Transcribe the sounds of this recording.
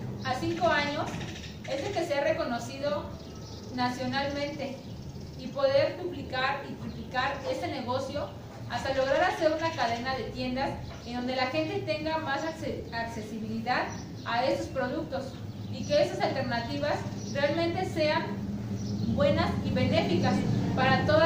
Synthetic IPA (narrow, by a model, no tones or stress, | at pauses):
asiŋko̞aɲo̞s | e̞selke̞seare̞kono̞siðo̞ | nasjo̞nalmẽ̞nt̪e̞ | ipo̞ðe̞ɾd̪uβlikaɾit̪ɾuβlikaɾe̞st̪e̞ne̞ɣ̞o̞sjo̞ | ast̪alo̞ɣ̞ɾaɾase̞ɾunakaðe̞naðe̞t̪je̞nd̪as | end̪o̞nd̪e̞laxe̞nt̪e̞t̪e̞ŋɡamasaakse̞siβiliðað | ae̞so̞spɾo̞ðuk̚t̪o̞s | ike̞esasalt̪e̞ɾnat̪iβas | re̞almẽ̞nt̪e̞se̞an | bwe̞nasiβe̞ne̞fikaspaɾat̪o̞ð